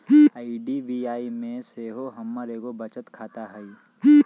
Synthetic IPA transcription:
aːiɖiʋiːaːimẽseːɦoɦɐmːəɾeːɡobɐt͡ʃət̪kʰaːt̪aɦɛi

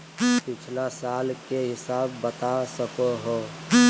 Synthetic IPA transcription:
pɪt͡ʃʰlasaːlkeɦɪsaːbːət̪asəkoɦo

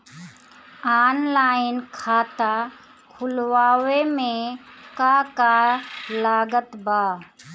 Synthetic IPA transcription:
aːnlaːɪnkʰaːt̪a | kʰʊlʋaːwemẽkakalaːɡət̪baː

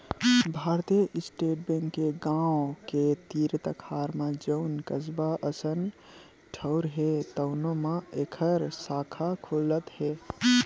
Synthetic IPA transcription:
bʱaːɾt̪ijəʔɪsʈeːʈ̚bẽŋkːeɡãoket̪iːɾt̪əkʰaːɾmãd͡ʒəʊnkəsbaʔəsən | ʈʰəʊɾɦet̪əʊnõmãekʰəɾsaːkʰakʰolət̪ɦe

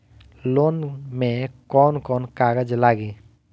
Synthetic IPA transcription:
loːnmẽkɔːnkɔːnkaːɡəd͡ʒlaːɡeː

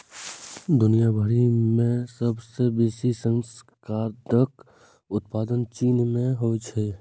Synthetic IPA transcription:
d̪ʊnijabʱəɾimẽsəbsebeːsisə̃ŋskaːɾt̪ək | ʊt̪̚paːd̪ənt͡ʃiːnmẽɦot͡ʃʰɛː

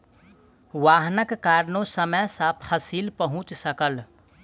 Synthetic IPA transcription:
ʋaːɦnəkːaːɾnõsəməjsapʰɐsiːlpəɦʊ̃t͡ʃsəkəl

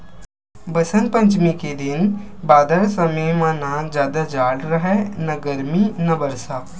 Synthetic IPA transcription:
bɐsə̃nd̪̚pɐ̃ɲt͡ʃmiked̪ɪn | baːd̪əɾsɐmemãnad͡ʒjaːd̪ad͡ʒaːɽɾɐɦɛnɐɡɐɾminɐbɐɾsaː

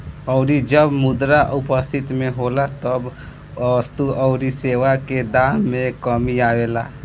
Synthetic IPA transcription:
ɔʊɾid͡ʒəbmʊd̪ɾaʔʊpəst̪ʰɪt̪mẽɦoːlat̪əb | st̪uʔɔʊɾiseːʋaked̪aːmːẽkəmiaːʋeːla̰ː

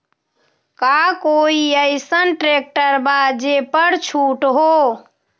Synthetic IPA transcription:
kakoiəɪsənʈɾek̚ʈəɾbad͡ʒepəɾt͡ʃʰuʈɦo

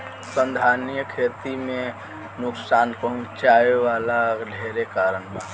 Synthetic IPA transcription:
sə̃nd̪ʱanjəkʰeːt̪imẽ | nʊksaːnpəɦɔ̃t͡ʃaeʋalaɖʱeɾekaːɾənme

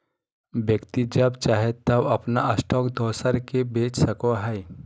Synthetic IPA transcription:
bjəkt̪id͡ʒɐbt͡ʃaːɦet̪ːɐbɐpnaɐsʈɔːkd̪ʱɔːsəɾkebeːt͡ʃsɐkoɦəi

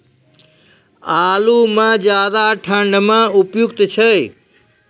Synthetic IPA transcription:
aːlumãd͡ʑjaːd̪aʈʰə̃ɳɖmãʊpjʊkt̪t͡ɕʰɐ

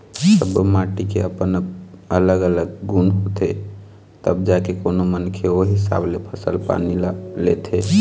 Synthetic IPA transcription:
əbmaːʈikḛəpənələɡələɡːunɦot̪e | t̪əbd͡ʒakekoːnomənkʰeoɦɪsa̰ːblepʰəsəlpa̰ːnilet̪ʰe

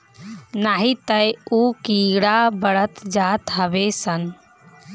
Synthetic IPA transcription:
naɦit̪əjukiɽabəɽət̪d͡ʒat̪ɦəbesən

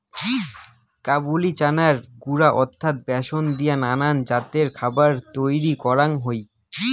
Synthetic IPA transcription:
kabulit͡ɕanaɾɡuɾaʔɔt̪ʰːat̪̚bɛʃond̪ijananand͡ʑat̪eɾkʰabaɾt̪ojɾikɔɾaŋɦoj

